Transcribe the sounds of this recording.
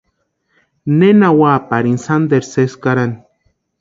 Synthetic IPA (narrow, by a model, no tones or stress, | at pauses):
nenawapaɾinsand̪eɾseskaɾan